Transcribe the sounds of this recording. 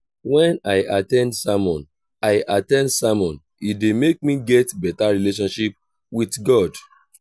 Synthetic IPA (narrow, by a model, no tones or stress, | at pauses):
wɛ̃naɪʔatɛ̃ndsamɔ̃n | aɪʔatɛ̃ndsamɔ̃n | idemek̚mĩɡɛtbɛtaɹileʃ̬ɔ̃nʃip̚ | witɡɔd